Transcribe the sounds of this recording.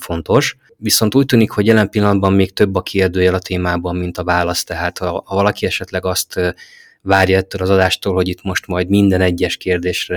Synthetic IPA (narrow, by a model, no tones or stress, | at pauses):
fo̞nt̪o̞ʃ | ʋiso̞n̪t̪uːc̚t̪yːnikho̞ɟjɛlɛmpilːɒnɒd̪bɒmːeːkt̪ø̞bːɒkʰieːrd̪øːjɛlɒt̪ʰeːmaːbɒmːin̪t̪ɒvaːlɒst̪ɛɦaːt̪hɒhɒvɒlɒkiɛʃɛt̪lɛɡɒst̪ | vaːrjɒɛt̪ːøːlɒzɒd̪aːʃt̪oːlho̞ɟit̪mo̞ʃt̪mɒjd̪mind̪ɛnɛɟːɛʃkeːrd̪eːʃrɛ